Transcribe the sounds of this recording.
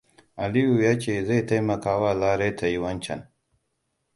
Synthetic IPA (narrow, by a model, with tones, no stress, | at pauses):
ɐ˨li˦ju˨ja˦t͡ʃe˨zɐ˦jt̪ʰɐ˦jmɐ˨kaː˨waː˦laː˦ɾe˦t̪ʰɐ˨i˨wɐ˦nt͡ʃʰɐ̰˨n